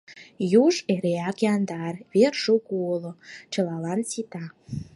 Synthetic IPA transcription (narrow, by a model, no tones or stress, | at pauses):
juʒeɾeækjɑnd̪ɑrβerʃukuolot͡ɕə̆lɑlɑnsit̪ɑ